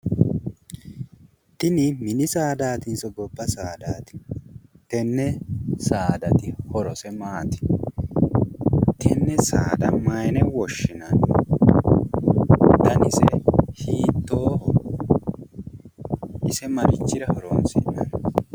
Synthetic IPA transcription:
t̪ɪnɪmɪnɪsaːd̪aːt̪ɪnsɔɡɔbːɐsaːd̪aːt̪ɪ̥t̪ɛnːɛsaːd̪ɐt̪ɪhɔɾɔsɛmaːt̪ɪ̥ | t̪ɛnːɛsaːd̪ɐmɐjnɛwɔʃːɪnɐn | t̪ɐnɪsɛhiːt̪ːoːhɔ | ʔɪsɛmɐɾɪt͡ʃːɪɾɐhɔɾoːnsɪnːɐ̰n

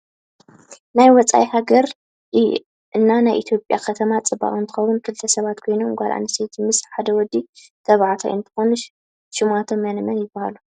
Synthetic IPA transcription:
najwɔt͡sʼa̰jhaɡɐɾ | ʔɨnːanajʔit̪ʰjo̞pʼja̰kʰɐt̪ʰɐmat͡sʼɨba̰χʼɨnt̪ʰɨ̥xɐwunkʰɨlt̪ʰɐsɐβat̪kʰo̞jnomɡʷalʔa̰nɐsejt̪ʰmɨsħad̪ɐwɔd̪ːi | t̪ʰɐβʕat̪ʰa̰ʔɨnt̪ʰɨ̥xonɨʃ | ʃɪmʔat̪ʰo̞mːɐnɨmɐnjɪbːahalu

